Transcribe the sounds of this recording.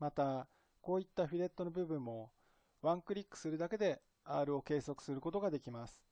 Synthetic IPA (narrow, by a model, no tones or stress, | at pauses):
mat̪a | ko̞ːit̪ːaɸʲiɾe̞t̪ːo̞no̞bɯ̟bɯ̟̃mːo̞ | βãŋkɯ̟ɾʲikːɯ̥sɨɾɯ̟d̪ake̞d̪e̞ | aːɾɯ̟o̞ke̞ːso̞kɯ̥sɨɾɯ̟ko̞t̪o̞ɡad̪e̞kʲimasɨ̥